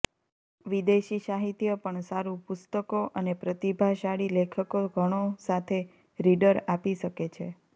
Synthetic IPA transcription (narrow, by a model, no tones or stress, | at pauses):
ʋid̪eʃiʃaɦit̪jəpəɳsaɾũpʊst̪əkoʔənepɾət̪ibʱaʃaɽilekʰəkoɡʱəɽ̃osat̪ʰe | ɾiɖəɾapiʃəket͡ʃʰḛ